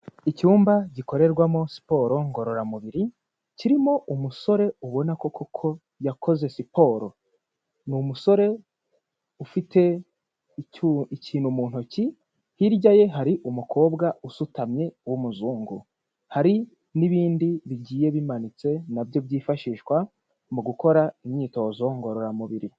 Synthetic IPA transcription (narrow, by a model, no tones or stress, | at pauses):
icuːmbaɟiko̞ɾe̞ɾɡwamo̞si̥po̞ɾo̞ŋɡo̞ɾo̞ɾamuβiɾi | ciɾimo̞ʔumuso̞ɾe̞uβo̞nako̞kʰokʰo̞ | jako̞ze̞sipo̞ɾo̞ | numuso̞ɾe̞ | ufitʰe̞ | iciːnumuːn̥huci | hiɾɟaje̞ɦaɾiʔumukʰo̞ːbɡaʔusutamɲe̞wumuzuːŋɡu | haɾi | niβiːndiβiɟiːje̞βimanit͡se̞nabjo̞bɟiːfaʃiːʃkwa | muɡuko̞ɾaimɲiːto̞ːzo̞ŋɡo̞ɾo̞ɾamuβiɾi